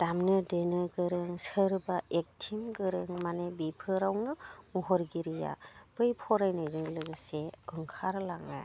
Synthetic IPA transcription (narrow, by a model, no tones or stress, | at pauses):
d̥amnɯdenɯɡɯɾɯŋsɯɾbaek̚tʰimɡɯɾɯŋmanebipʰɯɾawnɯmuɦɔɾɡiɾija̰b̥ɯjpʰɔɾajnajzɯŋlɯɡɯseɯŋkʰaɾlaŋa̰